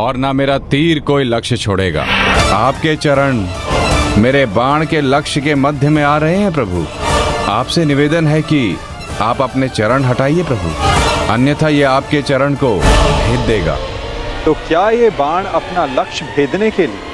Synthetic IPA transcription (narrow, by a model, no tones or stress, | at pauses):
ɔːɾnameːɾat̪iːɾkoːilɐkʃt͡ʃʰoːɽḛːɡa̰ːaːp̚ket͡ʃɐɾəɽ̃ | meːɾebaːɽ̃kelɐkʃkemɐd̪ʱjəmẽaːɾɐɦeɦɛ̃p̬ɾɐbʱṵaːpsenɪʋeːd̪ənɦɛki | aːpɐpnet͡ʃɐɾəɽɦɐʈaːiepɾɐbʱṵɐnjət̪ʰajeaːp̚ket͡ʃɐɾəɽ̃kobʱeːd̪ːeːɡa̰ː | t̪oːkjaːjebaːɽ̃ɐpnalɐkʃbʱeːd̪nekelie